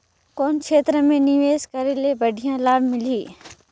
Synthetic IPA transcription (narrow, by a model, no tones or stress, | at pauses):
koːnkʰeːt̪ɾəmẽnɪʋeːzkəɾelebəɖʱijãlaːɽmɪliː